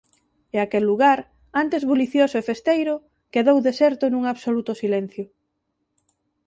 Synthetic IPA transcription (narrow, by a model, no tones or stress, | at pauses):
eakelːuɣaɾ | ant̪ezβoliθjosoefest̪ejɾʊ | keðowðesɛɾt̪ʊnũŋaβsolut̪ʊsilɛn̟θjʊ